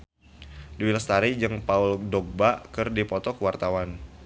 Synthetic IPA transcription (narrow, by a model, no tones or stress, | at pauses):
diwilast̪aɾid͡ʒɨŋpauldɔɡ̚bakɨrdipɔt̪ɔkwart̪awan